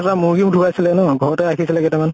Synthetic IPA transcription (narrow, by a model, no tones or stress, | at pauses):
tamuɹɡimutʰubajsilɛnɔɡʱɔɹɔtɛakʰisilɛkɛtɛman